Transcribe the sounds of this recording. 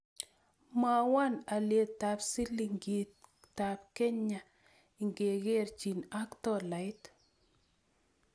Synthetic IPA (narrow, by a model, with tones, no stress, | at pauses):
ma˨wa˦na˨lje˨t̪ːa˨psi˦li˨ŋɡi˨t | ta˨p̚kɛ˦ɲa˨ | ɪ˨ŋɡe˨ɡe˦rt͡ʃi˨na˦ktɔ˦la˨jt